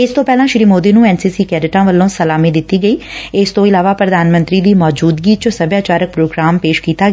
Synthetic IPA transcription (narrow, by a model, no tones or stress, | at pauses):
ɪst̪õːpɛːlãːʃɾiːmoːd̪iːnũːɛːnsiːsiːkɛːɾɪʈãːʋəlːõːsəlaːmiːd̪ɪt̪ːiːɡəiːɪst̪õːɪlaːʋaːpɾəd̪aːnmə̃nt̪ɾiːd̪iːmɔːd͡ʒuːd̪ɡiːt͡ʃsəbjaːt͡ʃaːɾək̚pɾoːɡɾaːmpeːʃkiːt̪aːɡ